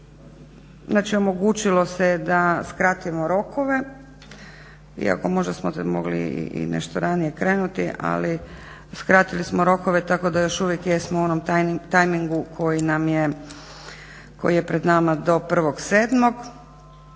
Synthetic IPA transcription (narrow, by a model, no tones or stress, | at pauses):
znaːt͡ʃio̞mo̞ɡut͡ʃilo̞sed̪askɾat̪ujemo̞ɾo̞kʰoʋe̞ | ḭa̰ko̞mo̞ʒd̪asmot̪moɡlḭḭḭnḛʃt̪oɾanije̞kɾe̞ːnut̪iʔa̰li | skɾat̪ilismoɾo̞ko̞ʋe̞t̪ako̞d̪ajo̞ʃuʋjekjesmouonomt̪t̪ajmiŋɡukʰo̞jinamje | ko̞̰jije̞pɾed̪namad̪o̞pr̩ʋo̞ɡseːd̪mo̞ɡ